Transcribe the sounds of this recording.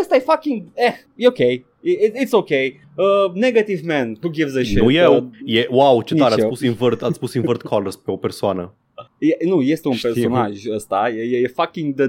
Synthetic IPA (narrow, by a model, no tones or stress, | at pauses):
əst̪ajfakĩŋɡɛ | okej | iitsokej | əneɡat̪ivmæ̃nhuɡivzəʃɛojewjewawt͡ʃet̪aɾeapusinvərt̪at̪sʲpusinvərt̪̚kʰɔləɾspeopersoanə | jɛnojest̪eunpersonaʒəst̪ajejejefakĩŋɡd̪ə